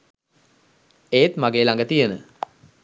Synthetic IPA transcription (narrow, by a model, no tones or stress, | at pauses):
eːt̪maɡeːlaŋɡət̪ijenə̰